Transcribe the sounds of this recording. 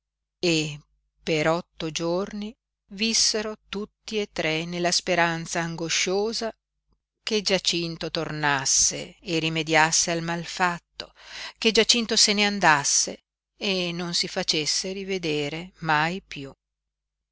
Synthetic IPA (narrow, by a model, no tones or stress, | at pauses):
e | peɾɔt̪ːod͡ʒorni | visːeɾot̪ut̪ːiet̪ːɾenelːaspeɾant̪saːŋɡoʃoːza | ked͡ʒat͡ʃint̪ot̪ornasːḛːrimed̪jasːealmalfat̪ːoked͡ʒat͡ʃint̪oseneand̪asːe | enːonsifat͡ʃesːeɾived̪eːɾemajpju